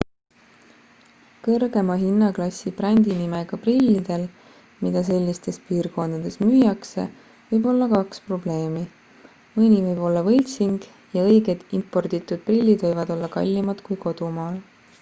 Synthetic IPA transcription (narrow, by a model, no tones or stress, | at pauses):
kɤrɡe̞mɑɦinːɑklɑsʲːib̥rænʲd̪̥inime̞ɡ̥ɑprilʲːid̪̥e̞l | mid̪̥ɑs̬e̞lʲːist̪e̞spiːrko̞nd̪̥ɑd̪̥e̞smyːjɑkse̞̰ | vɤjbo̞lːɑkɑkspro̞ble̞ːmi | mɤnʲivɤjb̥o̞lːɑvɤlʲt̪siŋɡ̥ | jɑɤ̞jɡe̞d̪̥impːo̞rd̪it̪ːˑud̪̥̚prilʲːid̪̥vɤjvɑd̪̥o̞lːɑkɑ̰lʲːimɑd̪̥kujko̞d̪̥umɑːl